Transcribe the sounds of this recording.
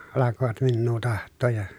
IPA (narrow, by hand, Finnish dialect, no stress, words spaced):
ɑlɑkoʋɑt minːuː tɑhtˑoːj jɑ